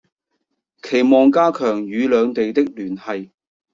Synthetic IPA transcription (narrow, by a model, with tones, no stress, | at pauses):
kʰe˨˩jmɔː˨ŋkaː˥kʰœː˨˩ŋjyː˨˧lœː˨˧ŋt̪e˨jt̪ɪ˥k̚lyː˨˩nhɐ˨j